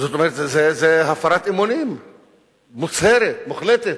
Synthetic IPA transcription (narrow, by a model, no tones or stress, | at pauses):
zot̪omeɾet̪zezeɦafaɾat̪imonim | mut͡sheɾet̪muχlet̪et̪